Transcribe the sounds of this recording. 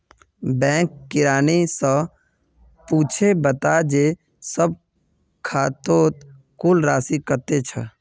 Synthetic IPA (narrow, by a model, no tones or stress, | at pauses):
bɛ̃ːkːɪɾaːnisə | puːt͡ʃʰebət̪ad͡ʒeː | səb̚ | kʰaːt̪oːt̪ | kulɾaːsikəɾt̪et͡ʃʰə